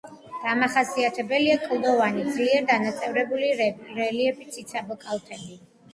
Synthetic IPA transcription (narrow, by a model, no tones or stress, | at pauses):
d̪̥amaχasiat̪ʰɛbɛliakʼlˠɔvanid̪zliɛɾd̪anat̪sʼɛvɾɛbuliɾɾɛliɛbit̪sʰit̪sʰabɔkʼalˠt̪ʰɛbi